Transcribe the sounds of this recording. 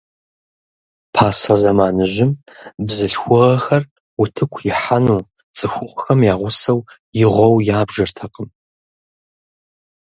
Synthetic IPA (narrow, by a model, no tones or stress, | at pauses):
pʰaːsɐzɐmaːnɨʒɪm | bzɨɬxʷʊʁɐxɐr | wʊtʰɨkʷʰjɪħanuː | t͡sʼɨxʷʊʁʷxɐmjaːʁʷʊsɐw | jɪʁʷɔwjaːbʒɐrtʰɐqəm